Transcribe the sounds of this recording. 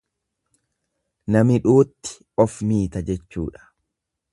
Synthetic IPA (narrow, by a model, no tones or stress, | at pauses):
nɐmɪᶑuːt̪ːɪ̥ | ɔfmiːt̪ɐd͡ʒɛt͡ʃːṵːᶑɐ̥